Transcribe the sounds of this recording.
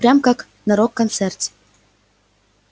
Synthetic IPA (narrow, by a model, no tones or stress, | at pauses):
pɾʲamkak | nɐɾokːɐnt̪sɛrtʲ